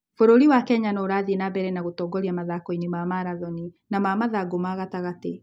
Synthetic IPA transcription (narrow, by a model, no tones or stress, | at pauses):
foɾoɾiwakɛɲanoːɾaðinabɛɾɛnaɣotɔːɡɔɾiamaðakɔinimamaɾaðɔninamamaðaɡomaɣataɣate